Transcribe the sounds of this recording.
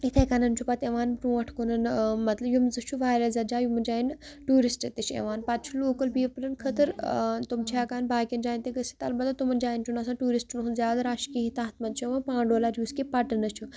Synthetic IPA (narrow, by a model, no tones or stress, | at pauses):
it̪ʰekɐnɐnt͡ʃʰupɐt̪eʋaːnpɾũːɐʈʰkunɐnmɐt̪lɐbjumzɨt͡ʃʰuʋaːjlɐzɐd͡ʒaːjumɐnd͡ʒaːjin | ʈuːɾisʈɐt̪it͡ʃʰḛʋaːnpat̪̚t͡ʃʰuloːkəlbiːpɾɐnkʰət̪ɨɾt̪umt͡ʃʰaːkaːnbaːkʲɐnd͡ʒaːint̪eɡəsi̥t̪ɐlbɐd̪ɐt̪umɐnd͡ʒaːjint͡ʃʰunɐs̬ãːʈuːɾisʈnɦunzʲjaːd̪ɐɾaːʃkiɦit̪aːt̪ʰmɐnt͡ʃʰueʋãnpãːɳɖoːlaːɾuːskipɐʈɐnɐt͡ʃʰu